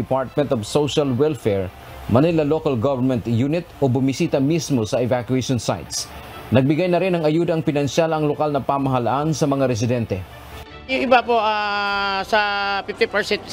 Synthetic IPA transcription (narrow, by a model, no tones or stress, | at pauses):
ɪpaɹt̪̚mɛ̃nt̪ovsowʃɐlwɛlfɛɹ | mɐnɪlɐlokɐlɡovɛnmɛnt̪juːnɪt̪̚ʔobʊmɪsiːt̪ɐmismosɐɛvakwɛʃonsa̰jt̪snɐɡ̚bɪɡajnɐɾɪnɐŋɐjuːd̪ɐɐŋpɪnɐnʃalɐŋlokalnɐpamɐɦɐlaʔansɐmɐŋaɾɛs̬ɪd̪ɛnt̪ɛ | jʊŋɪbapoʔasɐfɪft̪ɪpɛɹsɛnt̪̚